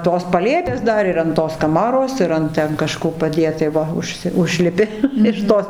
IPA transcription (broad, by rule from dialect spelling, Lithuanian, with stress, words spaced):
toːs pɐˈlʲeːpʲeːs ˈdɐr ɪr ɐn ˈtoːs kɐˈmɑːroːs ɪr ˈɐnt tʲɛn kɐˈʃkoː pɐˈdʲeːt tɐɪ ˈʋɐ ʊʃʲˈsʲɪ ˈʊʒʲlʲɪpʲɪ ɪʃ ˈtoːs